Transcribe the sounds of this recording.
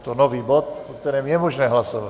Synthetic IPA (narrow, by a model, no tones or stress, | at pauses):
t̪ɔnɔʋiːbɔt̪pɔkt̪ɛɾɛːmjɛmɔʒnɛɦlasɔʋa